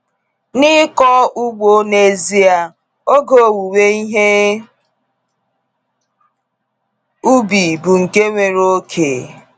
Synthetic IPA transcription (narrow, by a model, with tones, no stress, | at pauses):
nɪ˦kɔ˦ʔu˦ɡ͡bo˦ne˦zi˦a˨ | o˦ɡo˨wu˨we˦i˦ɦe˦ | u˦bi˨bu˨ŋ̩˨ke˦ŋʷe˨ɾo˦kʰe˨